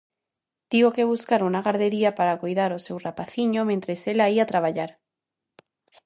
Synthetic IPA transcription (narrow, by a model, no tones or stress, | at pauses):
t̪iβokeβ̞uskaɾunaɣaɾðeɾiapaɾakojðaɾosewrapaθiɲomẽnt̪ɾeselaiat̪ɾaβaʎaɾ